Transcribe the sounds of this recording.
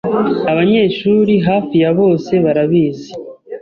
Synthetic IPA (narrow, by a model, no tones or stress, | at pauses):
aβaɲe̞ːʃuːɾiɦaːfijaβo̞ːse̞βaɾaβiːze